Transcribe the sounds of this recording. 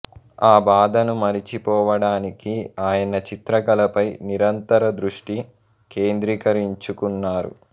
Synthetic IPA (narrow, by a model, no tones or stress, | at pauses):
aːbaːd̪ɐnumɐɾit͡ʃipɔːʋɐɽaːnikiaːjɐnɐt͡ʃit̪ɾɐɡɐlɐpɐjniɾɐnt̪ɐɾɐd̪ɾuʂʈi | ke̞ːnd̪ɾikɐɾiɲt͡ʃukunːaːɾṵ